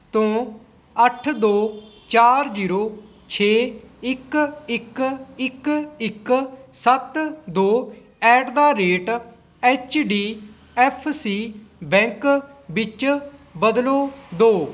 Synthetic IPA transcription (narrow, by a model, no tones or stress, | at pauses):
t̪õː | əʈʰd̪oːt͡ʃaːɾd͡ʒiːɾoː | t͡ʃʰeːɪkɪkɪkɪksət̪d̪oː | ɛːɖd̪aːɾeːʈ | ɛːt͡ʃɖiː | ɛːpʰsiːbɛ̃ːŋkbɪt͡ʃbəd̪loːd̪oː